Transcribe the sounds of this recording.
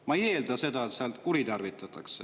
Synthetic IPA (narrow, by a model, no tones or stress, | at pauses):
mɑeje̞ːld̪̥ɑse̞d̪ɑet̪seɑlt̪kuɾit̪ɑrvit̪ˑːɑt̪ːˑɑkse